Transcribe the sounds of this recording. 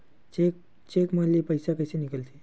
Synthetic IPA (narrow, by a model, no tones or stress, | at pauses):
ek | t͡ʃekmɐlepəjsakəjsenɪkəlt̪ʰe